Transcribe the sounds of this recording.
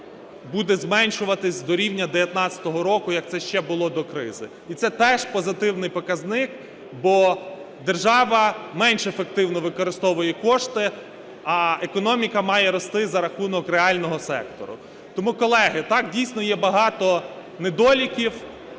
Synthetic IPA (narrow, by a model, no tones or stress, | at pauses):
bud̪ɛzmɛnʲʃʊʋɐt̪ɪsʲd̪ɔɾʲiwnʲɐd̪eʋʲjɐt̪nɑt͡sʲɐ̥t̪ɔɦɔɾɔkʊjɐk̚t̪sɛʃt͡ʃɛbʊlˠɔd̪ɔkɾɪ̰zɪ | it̪sɛt̪ɛʃpɔzɪt̪ɪwnɪjpɔkɐznɪk | bɔ | d̪erʒɑʋɐmɛnʃefek̚t̪ɪwnɔʋɪkɔɾɪst̪ɔʋʊjɛkɔʃt̪ɪ | ɐekɔnɔmʲikɐmɑjɛɾɔst̪ɪzɐɾɐxunɔkɾeɑlʲnɔɦɔsɛ̰k̚t̪ɔ̰ɾʊ̰ | t̪ɔmukɔlˠɛɦɪt̪ɑkdʲijsʲnɔjɛbɐɦɑt̪ɔ | ned̪ɔlʲikʲiw